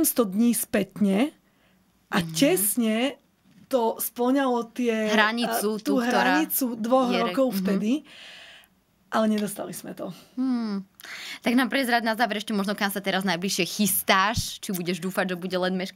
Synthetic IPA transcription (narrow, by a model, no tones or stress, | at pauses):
mst̪ɔd̪ɲiːspɛt̪ɲɛ | ʔacɛsɲɛ | t̪ɔspl̩ɲalɔt̪ɪɛɦɾaɲit͡sut̪uuɦɾɔɾaɲit͡sud̪ʋɔɦɛɾɔkɔʊft̪ɛd̪i | ʔalɛɲɛd̪ɔst̪a̰liz̥mɛt̪ɔm̩ | t̪aɡnamprɛzɾaːd̪nazaːʋɛɾɛʃcɛmɔʒnɔkamsat̪ɛɾaznajbliʃɪɛxist̪aːʃt͡ʃibuɟɛʒd̪uːfaɟʒɛbuɟɛlɛd̪mɛʃk